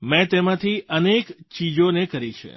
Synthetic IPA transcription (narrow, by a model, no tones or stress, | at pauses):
mɛ̃t̪emãt̪ʰiʔənekt͡ʃid͡ʒonekəɾit͡ʃʰḛ